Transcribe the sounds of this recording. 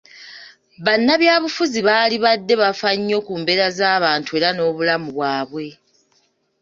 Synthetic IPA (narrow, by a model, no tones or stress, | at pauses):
βanːaβjaːβufuziβaːliβadːe̞βafaɲːo̞kuːmbe̞ɾazaːβaːntue̞ːɾano̞ːβulamuβwaːβwe̞